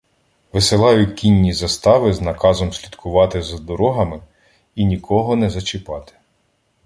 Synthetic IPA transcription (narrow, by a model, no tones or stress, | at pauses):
ʋɪsɪlˠɑjʊkʲinʲːizɐst̪ɑʋɪznɐkɑzɔmsʲlʲid̪kʰʊʋɑt̪ɪzɐd̪ɔɾɔɦɐmɪ | inʲikʰɔɦɔnɛzɐt͡ʃɪpɑt̪ɪ̥